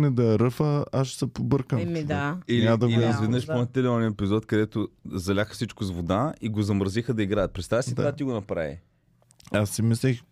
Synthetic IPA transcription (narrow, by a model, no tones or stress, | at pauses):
nɛd̪ɐɛɾɤfəaʃsɐpobɤɾkənailad̪ɐɡiizvɛd̪nəʃponɛt̪ɛlɛɔnʲiɛpizɔt̪kɐd̪ɛt̪ozɐlʲaxə̥fsit͡ʃkʊzvod̪aiɡozɐmɾəzixəd̪ɐiɡɾajət̪̚pɾɛt̪st̪avɐsitd̪a̰vat̪iɡonɐpɾa̰vḭ | asːimislix